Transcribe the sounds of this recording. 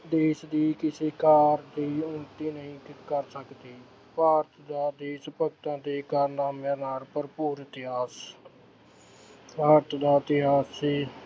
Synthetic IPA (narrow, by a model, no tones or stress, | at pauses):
d̪eːsd̪iːkɪseːkaːɾd̪iːʊmt̪iːnəɦĩːkəɾsəkd̪iː | paːɾt̪d̪aːd̪eːsəpək̚t̪ãːd̪iːkaːɾnaːmãːnaːlpəɾpuːɾt̪ɪɦaːs | paːɾt̪d̪aːɪt̪ɪɦaːsːiː